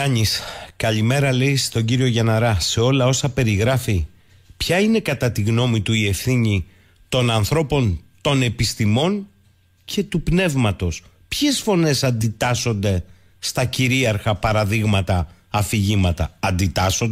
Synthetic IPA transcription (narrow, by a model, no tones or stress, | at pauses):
ɐɲiskɐʎime̞ɾɐle̞jst̪o̞ɲɟiɾio̞ʝɐnɐɾɐse̞o̞lɐo̞sɐpe̞ɾiɣɾɐfi | pçɐine̞kɐt̪ɐt̪iɣno̞mit̪uie̞fθiɲi | t̪o̞nɐnθɾo̞po̞nt̪o̞ne̞pist̪imo̞n | ce̞t̪upne̞vmɐt̪o̞s | pçe̞sfo̞ne̞sɐnd̪it̪ɐso̞nd̪e̞ | st̪ɐciɾiɐɾxɐpɐɾɐðiɣmɐt̪ɐː | fiʝimɐt̪ɐɐnd̪it̪ɐsond̪e